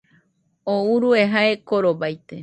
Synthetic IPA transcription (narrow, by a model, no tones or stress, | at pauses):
ouɾueɦaekoɾobajt̪e